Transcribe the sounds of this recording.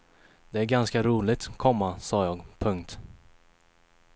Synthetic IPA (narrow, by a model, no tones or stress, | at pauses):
d̪̥ɛæɾɡanskaɾuːlɪt̪kʰːɔmːasɑːjɑːɡpʰɵŋkt̪